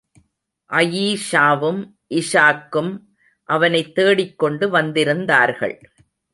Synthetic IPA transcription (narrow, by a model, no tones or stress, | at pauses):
ʔɐjiːʂaːʋɯm | ʔɪʂaːkːɯm | ʔɐʋɐnɐɪt̪ːeːɽɪkːɔɳɖɯʋɐnd̪ɪɾɯnd̪aːɾɣɐ̰ɭ